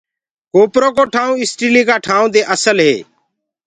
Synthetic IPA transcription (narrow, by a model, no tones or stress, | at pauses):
koːpɾoːkoːʈʰaːũːɪsʈiːliːkaːʈʰaːũːd̪eːʔəsəlɦḛː